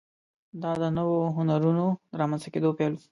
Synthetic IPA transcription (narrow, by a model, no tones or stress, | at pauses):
d̪ɑd̪ənəwoɦʊnaɾunoəɾɑmanst̪aked̪opelzi̥